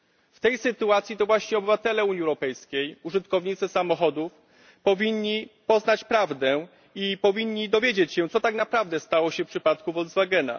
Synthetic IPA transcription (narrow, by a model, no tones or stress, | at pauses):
ft̪ɛjsɘt̪uat̪sʲjit̪ɔvwaɕɲɛɔbɘvat̪ɛlɛuɲiɛwɾɔpɛjskʲejuʐɘt̪kɔvɲit̪sɘsamɔxɔd̪uf | pɔvʲiɲːipɔznat͡ɕpɾavd̪ɛ | ipɔvʲiɲːid̪ɔvʲjed͡ʑet͡ɕɕɛ̃t̪sɔt̪aknapɾavd̪ɛst̪awɔɕɛfpʂɘpat̪kuvɔld̪zvaɡɛna̰